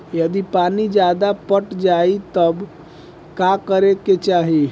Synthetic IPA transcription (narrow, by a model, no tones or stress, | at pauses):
jəd̪ipanid͡ʒad̪apəʈd͡ʒait̪əb | kakəɾeket͡ʃaɦi